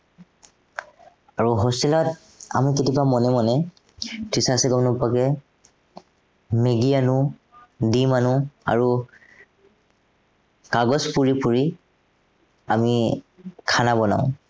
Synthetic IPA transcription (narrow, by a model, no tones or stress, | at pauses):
aɹuɦosilɔt | a̰miketibamɔnɛmɔnɛ | tisasɛɡɔmnɔpakɛ | meɡianʊ | dimanʊa̰ɹu | kaɡɔspuɹipuɹi | ami | kʰanabɔna̰ʊ̃